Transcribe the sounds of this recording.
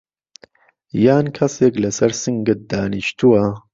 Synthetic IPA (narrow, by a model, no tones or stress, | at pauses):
jaːnkʰɐseːklɐsɐɾsɨŋɡɨt̪̚d̪aːniʃt̪uwɐ